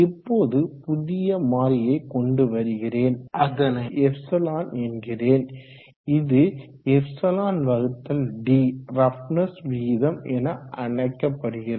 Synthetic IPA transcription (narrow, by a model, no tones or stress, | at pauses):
ɪpːoːðɯpʊðɪjɐmaːɾɪjɐɪkɔɳɖɯʋɐɾɯɣɪreːnɐɐnɐɛfsɐlaːnɛnɡɪreːn | ɪðɯ | ɛfsɐlaːnʋɐɣɯt̪ːɐlɖiːɾɐfnɐsʋiːðɐmɛnɐʔɐɳɐɪkːɐpːɐɽɯɣɪɾ